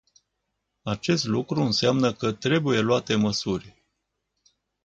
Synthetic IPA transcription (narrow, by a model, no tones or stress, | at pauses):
at͡ʃe̞st̪lukɾuɨnsamnəkət̪ɾe̞buje̞luat̪e̞məsurʲ